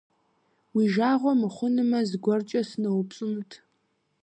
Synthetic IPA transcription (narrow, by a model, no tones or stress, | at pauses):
wiʒaːʁʷɔmɨχʷʊnɨmɐzɡʷɔrt͡ʃʼɐsɨnɐwpt͡sʼɨmtʰ